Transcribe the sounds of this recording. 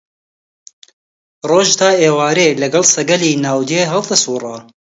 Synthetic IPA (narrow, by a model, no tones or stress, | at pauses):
roːʒd̪ɑːeːwɑːɾeːlɛɡɑlsɛɡɛliːnaːwd̪jeːɦɛld̪əsuːrɑː